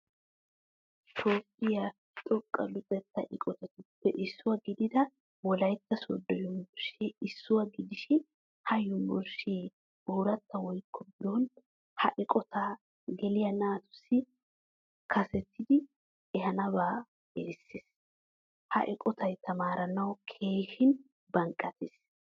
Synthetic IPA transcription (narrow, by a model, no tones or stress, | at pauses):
t̪ʰoːkʼːɪja | t̪ʼɔkʼːɐ̰lʊt̪ʼɛt̪ːɐ̰ʔɪkʼɔt̪ɛt̪ʊpːɛʔɪsːʊwɐɡɪd̪ɪd̪ɐ | wɔlɐjt̪ːɐsɔd̪ːɔjɔmbɔɾʃeɪsːʊwɐɡɪd̪ɪʃɪn | hɐjʊmbɔɾʃeː | buːɾɐt̪ːɐwɔjkːɔbɪd̪oːn | hɐʔɪkʼɔt̪aː | ɡɛlɪjɐnaːt̪ʊ̥sːɪ | kʰɐsɛt̪ːɪd̪ɪ | ɛhɐnɐbaː | eːsːes | hɐ̰ʔɪkʼɔt̪ʰɐjt̪ʰɐmaːɾɐnɐwkʰeːʃɪn | bɐŋkʼːɐt̪es